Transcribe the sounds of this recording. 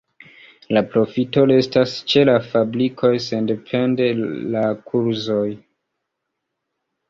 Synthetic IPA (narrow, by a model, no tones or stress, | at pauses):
lapɾo̞fito̞le̞stast͡ʃe̞lafablikʰo̞jse̞nde̞pʰe̞nde̞lakʰuɾzo̞j